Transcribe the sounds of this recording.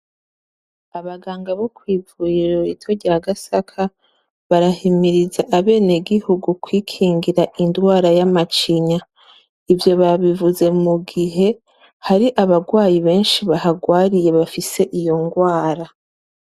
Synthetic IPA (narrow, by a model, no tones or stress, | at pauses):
aβaɡaːŋɡaβo̞kwiːvujeɾoɾitʰoɾɟaːɡasakʰa | βaɾahimiɾizaʔaβe̞ːneɡihuɡukwiːkʰiːŋɡiɾaʔindɡwaːɾajamat͡ʃiɲa | ivjo̞βaβivuze̞muɡiɦe̞ | haɾiʔaβaɡwaːjiβe̞ːnʃiβahaɡwaːɾije̞βafise̞ʔijo̞ŋɡwaːɾa